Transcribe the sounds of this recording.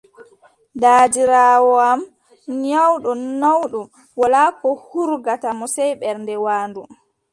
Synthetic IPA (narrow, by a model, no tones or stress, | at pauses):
daːdiɾaːwɔam | ɲawɗɔnawɗɔ | wɔlakɔhuɾɡatamɔsɛjɓɛɾndɛwaːndu